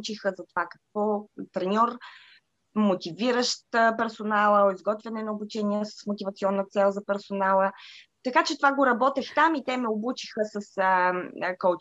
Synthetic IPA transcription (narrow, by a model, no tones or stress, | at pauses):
t͡ʃixəzɐt̪ovakɐ̥k̚vɔt̪ɾɛnʲɔɾ | mot̪iviɾəʃt̪əpɛɾsonalˠəoizɡɔt̪vɛnɛnɐobut͡ʃɛniəsə̥smot̪ivɐt̪siɔnːət̪sɛlˠzɐpɛɾsonalˠə | t̪ɐkat͡ʃɛt̪ovaɡoɾɐbɔt̪ɛxt̪amit̪ɛmɛobut͡ʃixəsəsəkɔ